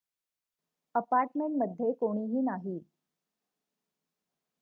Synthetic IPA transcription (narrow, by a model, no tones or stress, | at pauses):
əpaɾʈmeɳʈməd̪ʱːjekoɽ̃iːɦiːnaɦiː